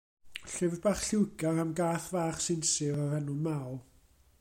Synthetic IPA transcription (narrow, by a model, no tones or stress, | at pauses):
ɬɪvbaχɬɪwɡarəmɡaːθvaːχsɪnsɨrɔrənumawlˠ